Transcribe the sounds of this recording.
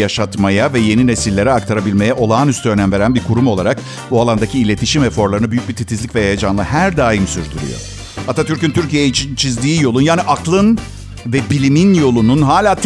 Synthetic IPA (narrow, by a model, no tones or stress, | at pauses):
jaʃat̪majavɛje̞nine̞silʲːe̞ɾɛakt̪ʰaɾabilʲme̞jɛʔo̞lˠaːnyst̪ʰyønæmve̞ɾænbiɾkʰuɾumo̞lˠaɾak | bualˠand̪acʰiːlʲe̞t̪ʰiʃimɛfo̞ɾlˠaɾɯnabyjyc̚bit̪ʰit̪ʰizlʲicvɛhejad͡ʒanlˠɯɦæɾd̪aːjimsyɾd̪yɾy̰jo̰ | hat̪ʰat̪ʰyɾcynt̪ʰyɾcijejɛit͡ʃʰint͡ʃʰizd̪iːjo̞lˠunjaːniʔaklˠɯn | vɛbilʲiminjo̞lˠununɦaːlʲaːt̪